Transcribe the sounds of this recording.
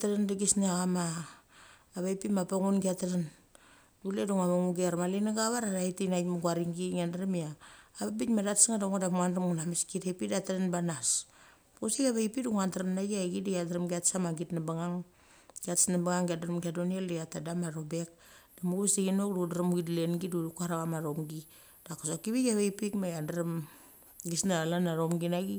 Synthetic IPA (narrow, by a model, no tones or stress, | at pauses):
taɾandaɡisneaɣamaː | βaipimapaŋunɡiataɾan | duleduŋamaŋuɡeɾmalinaɡaβaɾaɾaitinajmaɡwaɾiŋɡiŋandaɾamiaːbabitmadatsŋadaŋadamŋandramŋunameskitepidataɾanbanas | posiɡaβaipiduŋantaɾamnaɡiaɡidajadaɾamɡiatsamaɡitnabaŋaŋ | ɡatsnabaŋaŋɡiadaɾamɡadonialeatadamaɾobek̚ | d̥amuɡuβesdiɡinokdudaɾamuidlenɡidudukaɾaɣamaɾomɡi | d̥akasokiβiɡaβaipikmajandaɾam | ɡisnalanaɾomɡinaɡi